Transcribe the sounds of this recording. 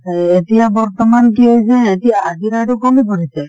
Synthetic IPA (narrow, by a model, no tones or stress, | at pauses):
etijabɔɹt̪ɔmankiɦojsɛːtijaːɡiɾatukomipoɹisɛ